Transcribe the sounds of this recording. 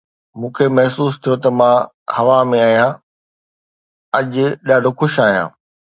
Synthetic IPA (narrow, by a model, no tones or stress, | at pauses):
mũːkʰemɐɦsuːst̪ʰijot̪ɐmãː | hɐʋamẽaːɦijã | ɐʄʊɗaːɖʱoxʊʃaːɦijã̰ː